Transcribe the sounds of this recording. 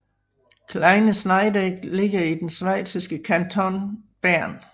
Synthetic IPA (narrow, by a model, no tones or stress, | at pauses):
kʰlɑ̈ɪnəsnɑ̈ɪdeɡ̥le̝ɡ̥ɐid̥ensʋæɪsisɡ̥əkʰænt͡sʰɒnb̥æɐ̰n